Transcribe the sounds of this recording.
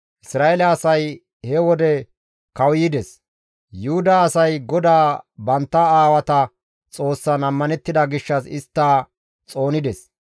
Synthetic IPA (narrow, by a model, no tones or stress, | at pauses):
ʔɪsɾaːʔelɐɐsɐj | hɛwɔd̪ɛ | kɐwjɪd̪ɛs | jʊhʊd̪aːsɐjɡɔd̪aːbɐnt̪ːɐaːwɐt̪ɐ | t͡sʼo̞ːsːɐnɐmːɐnɛt̪ːɪd̪ɐɡɪʃːɐsɪst̪ːaː | t͡sʼo̞ːnɪd̪ɛs